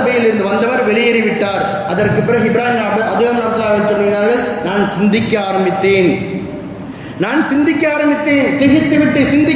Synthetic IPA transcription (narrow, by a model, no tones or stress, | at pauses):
bɐjɪlɪɾɯnd̪ɯʋɐnd̪ɐʋɐɾʋɛɭɪjɐɾɪʋɪʈːaːɾ | ɐðɐrkɯpːɪɾɐɪbɪɾaːɦɪnɐɽɯʔɐd̪oːɐmnaːt̪ːɪlaːʋɐt͡ʃːɔnːinaːɾɣɐɭnaːnsɪnd̪ɪkʲːɐaːɾɐmbɪt̪ːeːn | naːnsɪnd̪ɪkʲːɐaːɾɐmbɪt̪ːeːnt̪ɪɣɪt̪ːɯʋɪʈːɯsɪnd̪ɪ